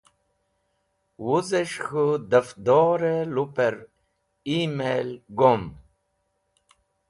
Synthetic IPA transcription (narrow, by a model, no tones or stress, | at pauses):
wuzeʂxud̪ɐfd̪oɾelupeɾ | imelɡom